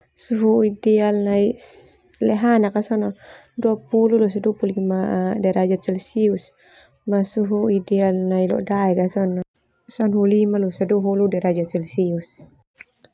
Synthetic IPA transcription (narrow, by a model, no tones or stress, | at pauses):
suɦuidɛalnai | lɛɦanakasɔnɔ | duapululusaduapuluimadaɾad͡ʒat̪̚sɛlsius | masuɦuidɛalnailɔ̰ʔdaɛkasɔn | sanɦulimalusaduɦuludaɾad͡ʒat̪̚sɛlsius